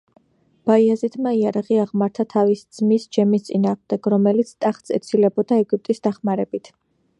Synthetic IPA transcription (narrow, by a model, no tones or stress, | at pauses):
b̥aiazit̪ʰmaiaɾaʁiaʁmaɾt̪ʰat̪ʰavisd̪z̥misd͡ʒɛmist̪sʼinaːʁmd̪ɛɡ̥ɾɔmɛlit̪sʰt̪ʼaχt̪sɛt̪sʰilɛbɔd̪aɛɡyp̚t̪ʼisd̪̥aχmaɾɛbit̪ʰ